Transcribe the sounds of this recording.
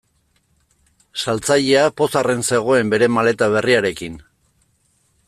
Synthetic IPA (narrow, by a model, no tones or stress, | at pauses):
salt͡saʎe̞apo̞sare̞nse̞ɣ̞o̞e̞mbe̞ɾe̞male̞t̪aβ̞e̞riaɾe̞kin